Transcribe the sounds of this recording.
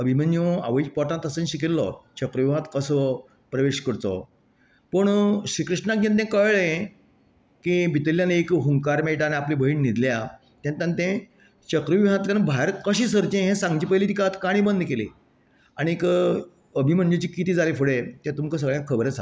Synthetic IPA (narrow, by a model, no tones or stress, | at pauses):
əbʱimənd͡ʑũa̰ʋəipɔʈãnt̪əsənɕikilːɔ̰t͡ɕəkɾəʋɦãt̪kəsɔ | pɾəʋeɕkəɽt͡sɔ̰ | pəɳɕɾikɾiʂʈnak̚d͡ʑãnt̪̬ẽkəʋlẽ | kibit̪əljanekɦuŋɡkaɾmeʈaneaplibʱəɦiːɳnid̪ʱlja | t̪ɛ̃nt̪ãnt̪ẽ | t͡ɕəkɾəʋiɦãt̪ljãnbʱaeɾkəɕiːsəɾt͡ɕẽɦẽsãŋɡd͡ʑiːpəjlit̪ikat̪kaɽ̃iːbənd̪kelḭ | aɽ̃ik | əbʱim̤əɳd͡ʑũt͡ɕikit̪iːd͡zalefuɽet̪ɛ̃t̪umkəs̬əɡɭjãkʰəbɾet͡sa̰